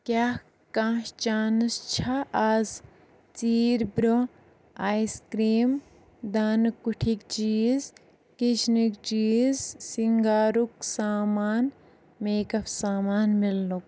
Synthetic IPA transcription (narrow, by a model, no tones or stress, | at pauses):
kʲjaː | kãːʃt͡ʃaːnɐst͡ʃʰɐaːz | t͡siːɾbɾo | aːiskɾiːm | d̪aːnɨkːuʈʰikt͡ʃiːz | kit͡ʃnikt͡ʃiːzsiŋɡaːɾuksaːmaːn | meːkɐfsaːmaːnmilːuk̚